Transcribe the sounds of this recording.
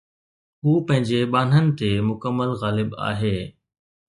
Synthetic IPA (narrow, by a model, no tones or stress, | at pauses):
ɦuːpɐ̃ɦɪ̃ɲd͡ʑeɓaːn̤ənɪ̆t̪emʊkəmːəlɣaːlɪba̰ːɦeː